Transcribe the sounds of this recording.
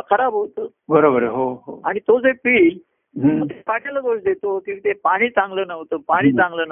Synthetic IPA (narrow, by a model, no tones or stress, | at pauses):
kʰəɾabʱɦot̪o | bəɾobəɾɦoɦoaɽ̃it̪od͡zepiːl | mət̪ʰekaʈeləɡoʂd̪et̪okĩw̃it̪epaɽ̃iːt͡sãŋɡləːnəʋt̪opaɽ̃iːt͡sãŋɡlənə